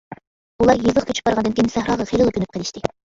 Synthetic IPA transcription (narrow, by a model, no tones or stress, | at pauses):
ulˠɑɾjɨzˠəχkʰʲyt͡ʃʰy̥bɑɾʁɑnd̪ɪnkʲijnsæhɾɑːʁɑχejlˠɨlˠəkʰʲynyp̚qʰəlˠɪʃt̪ɪ